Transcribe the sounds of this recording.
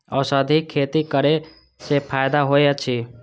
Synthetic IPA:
əsəd̪ʱikʰːet̪ikəɾe | sepʰajd̪aɦojet͡ʃʰi

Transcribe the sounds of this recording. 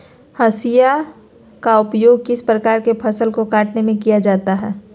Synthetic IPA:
hɐsija | kaʊpjoːɡ̚kɪspɾɐkaːɾkepʰɐsəlkokaːʈnemẽkijad͡ʒaːt̪aɦɛː

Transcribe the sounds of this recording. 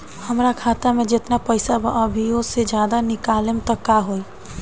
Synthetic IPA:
həmɾakʰat̪amed͡ʒet̪napəjsabəʔəbʱijosed͡ʒjad̪anikalemt̪əkːaɦoj

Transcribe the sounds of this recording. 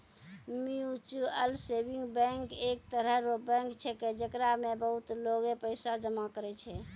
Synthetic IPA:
miut͡ʃuəlsebiŋɡbɛ̃ŋkekt̪əɾəɦɾobɛ̃ŋkt͡ʃʰɛked͡ʒəkɾamebəɦut̪loɡepəɪsad͡ʒəmakəɾɛt͡ʃʰɛ

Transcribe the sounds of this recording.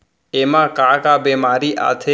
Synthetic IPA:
emãkakabemaɾiʔa̰t̪ʰe

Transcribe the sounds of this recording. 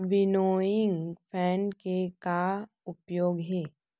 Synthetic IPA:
bɪnoːɪ̃ŋɡpʰɛːnkeka | ʊpjoːɡɦɛː

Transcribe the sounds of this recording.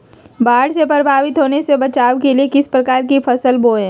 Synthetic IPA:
baːɽsepɾəbʱaːʋɪt̪ɦoːnesebɐt͡ʃaːʋkeliekɪspɾɐkaːɾkifɐsəlboːẽː

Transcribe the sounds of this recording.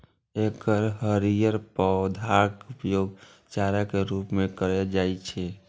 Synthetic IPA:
ekəɾɦəɾijəɾpəd̪ʱaɾkupjoːɡ | t͡ʃaɾakeɾupmekəɾɛd͡ʒait͡ʃʰɛ

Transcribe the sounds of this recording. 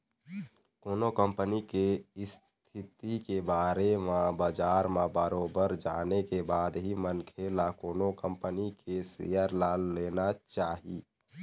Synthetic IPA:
koːnokəmpnikes | t̪ʰɪt̪ikebaːɾemãbəd͡ʒaːɾmãbəɾoːbəɾd͡ʒaːnekebaːd̪ɦimənkʰelakoːnokəmpənikesḛjəɾlalːeːnat͡ʃaːɦi

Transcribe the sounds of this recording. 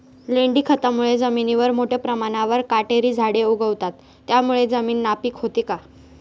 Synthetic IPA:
leɳɖiːkʰət̪amuɭed͡zəminiʋəɾmoʈʰepɾəmaɽ̃aʋəɾkaʈeɾiːd͡zʱaɽeuɡʱəʋt̪at̪ːjamuɭed͡zəmiːnːapiːkɦot̪ika

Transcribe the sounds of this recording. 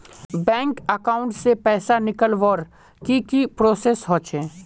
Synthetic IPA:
bɛ̃ːŋkəkaːʊ̃ɳʈsepɛːsanɪkəlʋɔːɾ | kikipɾoːsesɦõːt͡ʃẽː

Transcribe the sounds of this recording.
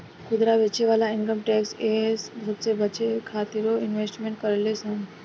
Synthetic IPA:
kud̪ɾaʋet͡ɕeʋalaiŋkəmʈɛksesb̪ʱɾut̪̚t͡sebʱət͡ʃekʰat̪iɾoinʋesʈmẽɳʈ̚kəɾlesãŋ

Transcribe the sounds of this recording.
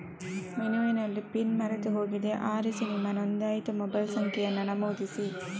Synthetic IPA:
mɛnɯʋɐnɐlːɯpɪnmɐɾɐt̪ːɯɦoːɣiðeʔaːɾisinimɐnɐnd̪aːjt̪ːɯmɔbɐlsɐŋkɪjɐnɐnɐmɐd̪isi

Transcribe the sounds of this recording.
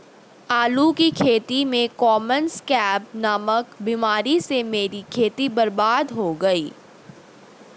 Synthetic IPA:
aːlukikʰeːt̪imẽkɔːmənskɛːpnɐməkbimaːɾisemeːɾikʰeːt̪ibɐɾbaːd̪ɦoɡɐiː

